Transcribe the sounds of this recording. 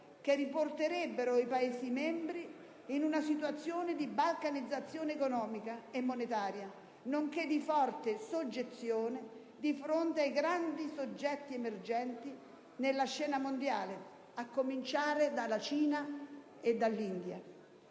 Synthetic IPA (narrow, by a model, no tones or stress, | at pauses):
k̟eriport̪eɾɛbːeɾoipaeːsimɛmbɾiː | nunasit̪wat̪sːjoːned̪ibalkanid̪zːat̪sːjoːneːkonɔːmikaemːonet̪aːɾja | noŋked̪ifɔrt̪esod͡ʒːet̪sːjoːne | d̪ifɾont̪eajɡɾand̪isod͡ʒːɛt̪ːiemerd͡ʒɛnt̪i | nelːaʃɛːnamond̪jaːle | akːomint͡ʃaːɾed̪alːat͡ʃiːna | ed̪ːalːind̪ja̰